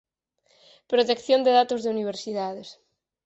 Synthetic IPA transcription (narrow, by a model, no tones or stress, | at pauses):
pɾot̪ekθjond̪eðat̪ozðeuniβ̞eɾsiðaðes